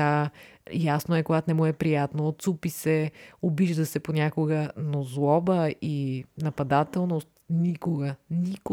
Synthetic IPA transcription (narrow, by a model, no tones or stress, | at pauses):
ajasnoɛkoɡat̪nɛmuɛpɾijat̪noːt̪supisɛobiʒd̪əsɛponʲakʊɡənozlˠɔbəinɐpɐd̪at̪ɛlˠnost̪nʲikʊɡənʲikʊ